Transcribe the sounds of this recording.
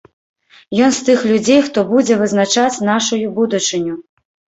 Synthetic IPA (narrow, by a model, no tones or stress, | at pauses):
jɔnst̪ɨxlʲud͡zʲejxt̪ɔbud͡zʲɛvɨznat͡ʂat͡sʲnaʂujubud̪ut͡ʂɨnʲu